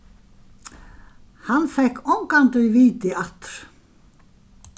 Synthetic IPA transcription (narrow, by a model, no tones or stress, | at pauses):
hanfɛhkːɔŋkant̪œjviːt̪ɪat̪ɾ̥